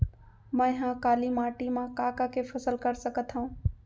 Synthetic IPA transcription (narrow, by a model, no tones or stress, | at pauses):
mə̃ɦãkaːlimaːʈimãkaːkakefʰɐsəlkəɾsəkət̪ɦũː